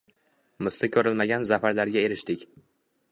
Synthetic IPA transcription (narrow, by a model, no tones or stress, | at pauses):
mɪsɪkʲʰɵɾɪlmaɡʲanzafaɾlaɾɡʲae̞ɾɪʃt̪ɪkʲ